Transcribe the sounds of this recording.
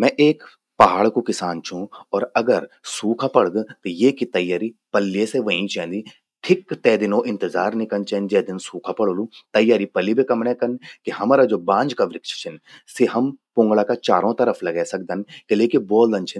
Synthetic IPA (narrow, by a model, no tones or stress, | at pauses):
mɛ̃ʔeːk | pɐɦaːɭkokɪsaːnt͡ʃʰũɔːɾɐɡəɾsuːkʰapɐɽd̪t̪ojekit̪ɐjːaːɾipɐlːjeseʋɐɦĩt͡ʃɛ̃ːnd̪i | ʈʰɪkːt̪ɛːd̪ɪnõʔɪ̃nt̪ɪzaːɾnɪkənt͡ʃɛ̃ːnd͡ʒɛːd̪ɪnsuːkʰapɐɽolũːt̪ɐjːaːɾipɐlːibekɐmɳɛ̃kɐnkiɦɐmaːɾad͡ʒoːbãːnd͡ʒkaʋɾɪkʃt͡ʃʰənseɦɐmpõːŋɡɭakat͡ʃaːɾõt̪ɐɾəflɐɡɛːsɐk̚d̪ənkeleːkiboːld̪ɐ̃nt͡ʃʰɪ